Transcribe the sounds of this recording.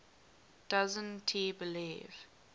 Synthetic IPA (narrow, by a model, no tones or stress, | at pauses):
d̥azə̃ntʰibɪliːv̥